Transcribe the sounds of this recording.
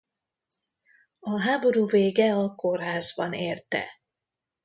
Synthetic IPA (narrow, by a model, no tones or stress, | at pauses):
ɒɦaːbo̞ɾuːveːɡɛɒkorɦaːzbɒneːrt̪ɛ̰